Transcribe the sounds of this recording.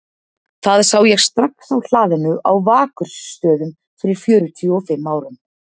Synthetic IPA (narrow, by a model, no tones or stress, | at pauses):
θaðsaːwjɛɣst̪ɾahksawl̥aːðɪnʏʔa̰wvaːkʏɾ̥sːt̪œːðʏm | fɪɾɪɾ̥fjœːɾʏt̪ʰiɔfɪmːaːwɾʏm